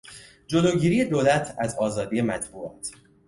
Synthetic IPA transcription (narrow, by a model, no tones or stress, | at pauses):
d͡ʒoloːɟiːɾiːje̞d̪oːlæt̪ʰæzɒːzɒːd̪ije̞mæt̪ʰbuːɒːt̪ʰ